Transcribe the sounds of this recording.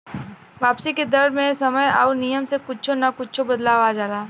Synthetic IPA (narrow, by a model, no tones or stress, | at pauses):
ʋaːpsiked̪ɐɾmẽsɐməjaːnijəmsekʊt͡ʃt͡ʃʰonakʊt͡ʃt͡ʃʰobɐd̪laːʋad͡ʒaːlaː